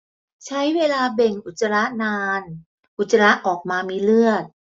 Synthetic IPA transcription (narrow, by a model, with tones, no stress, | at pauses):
t͡ɕʰa˦˥jweː˧laː˧be˨˩ŋʔu˨˩t̪̚sa˧la˦˥ʔnaː˧n | ʔu˨˩t̪̚sa˧la˦˥ʔʔɔː˨˩k̚maː˧miː˧lɯ˥˩ət̪̚